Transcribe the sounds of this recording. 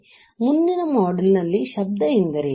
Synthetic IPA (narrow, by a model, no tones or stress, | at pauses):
mund̪inɐmɔːɖɐlnɐlːiʃɐb̚d̪ɐind̪ɐɾe